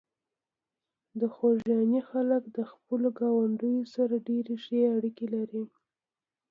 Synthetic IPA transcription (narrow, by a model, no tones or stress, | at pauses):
d̪əxoʒjɑnixaləkd̪əxpəloɡɑwaɳɖəjosaɾaɖeɾeʃeaɽikelaɾi